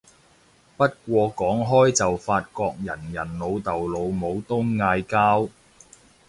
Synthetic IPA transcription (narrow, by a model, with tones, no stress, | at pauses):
pɐ˥t̚kʷɔː˧kɔː˨˥ŋɦɔː˥jt͡sɐ˨wfaː˧t̚kɔː˧k̚jɐ˨˩njɐ˨˩nlo˨˧wt̪ɐ˨wlo˨˧wmo˨˧wt̪ʊ˥ŋːaː˧jkaː˥w